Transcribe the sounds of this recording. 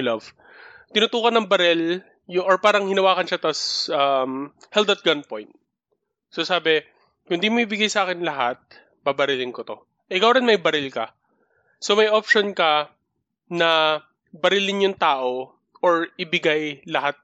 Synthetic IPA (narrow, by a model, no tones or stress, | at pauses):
lɐv̥ | t̪ɪnʊt̪uːkɐnɐŋbɐɾɛl | jʊŋʔɔɹpaːɾɐŋhɪnɐwaːkɐnʃat̪ɐsʔɐmhɛld̪ɐt̪̚ɡɐnpojnt̪̚ | sosaːbɛ | kʊnd̪imɐibɪɡajsɐʔaːkɪnlɐɦat̪̚ | babɐɾɪlɪnkot̪o̞ | ʔɛkɐwɾɪnmɐjbɐɾɪlkɐ | so̞mɐjʔopʃonkɐ | nɐ | bɐɾɪlɪnjʊŋt̪aːʔo̞ | ʔoɹɪbɪɡajlɐhat̪̚